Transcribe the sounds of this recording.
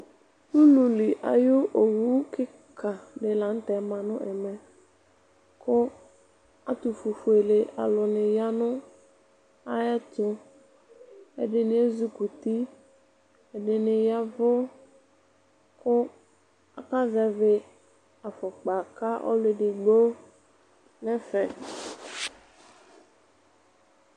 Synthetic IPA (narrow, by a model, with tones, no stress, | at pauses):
u˦lu˨li˨ʔa̰˨jʊ˦ʔo˨wu˦kɪ˦ | kʰa˨dɪ˨la˨˦n̩˦t̪ɛ˨˦mã˨nʊ̰̃˦ʔɛ˨mɛ˨ | kʊ˦ | a˦t̪u˨fu˨fu˨e˨le˨ʔa̰˨lʊ˨nɪ˨ja˦nʊ̃˦ | a˦jɛ˦t̪ʊ˦ | ɛ̰˨dɪ˨nɪ˨˦e˦zu˦ku˨t̪i˦ | e˨ɖɪ˨nɪ˨ja˦vʊ˦ | kʊ˦ | a̰˨ka˦zɛ˨vɪ˨ | a˨fɔ˨k͡pa˨ka˦ʔɔ̰˦lɪ˨ɖɪ˨ɡ͡bo˦ | nɛ̃˦fɛ˨